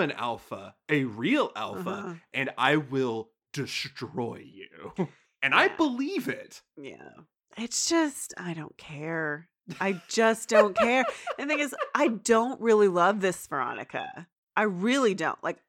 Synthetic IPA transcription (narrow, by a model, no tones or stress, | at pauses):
ɨ̃næ̰lˠfə̰ɨɹilˠæ̰lˠfə̰ʔɨ̃na̰ɪwɪlˠ | d̥ɨstɹ̥ɔɪjʉ | ɨ̃naɪbəlivɪt̚ | jæ̰ | ɪtsd̥ʒ̥ʌsta̰ɪɾõʊ̃nkʰɛɹ | aɪd͡ʒʌsd̥õʊ̃nkʰɛɹðɨθɪ̃ŋɨzʔaɪdõʊ̃nʔɹɪlˠilʌvðɪsvə˞ɑ̰nɨ̰kɨ̰ | ʔaɪɹɪlˠidõ̰ʊ̃nʔlʔa̰ɪk̚